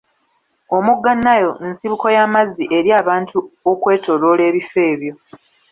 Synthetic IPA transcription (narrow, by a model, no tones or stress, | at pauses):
o̞muɡːanːajo̞nsiβuko̞jaːmaziʔe̞ɾiaːβaːntʰuokwe̞ːto̞ɾole̞ːβife̞ːβjo̞